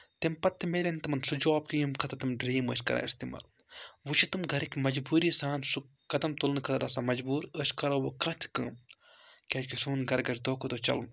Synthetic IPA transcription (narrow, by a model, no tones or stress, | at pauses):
t̪ɐmpɐt̪ʰːimelʲɐnt̪ɐmɐnsud͡ʒoːb̚kijimkʰɐt̪ɐt̪imɖɾiːmə̰ːʃkɐ̰ɾa̰ːist̪iːma̰ːl | ʋut͡ʃʰit̪ɨmɡɐɾikʲmɐd͡ʒbuːɾiːsaːnsu | kɐd̪ɐmt̪ulnɨkʰɐt̪ɐɾɐsamɐd͡ʒbuːɾəʃkɐɾɐːʋokɐ̃t̪ʰi̥kɨm | kʲɐːkisuːnɡɐɾɡɐɾʲd̪oːkʰod̪oːt͡ʃɐ̰ln